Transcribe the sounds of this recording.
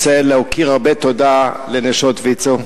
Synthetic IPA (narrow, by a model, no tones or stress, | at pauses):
seleokiʁaʁbet̪od̪aleneʃot̪vit͡so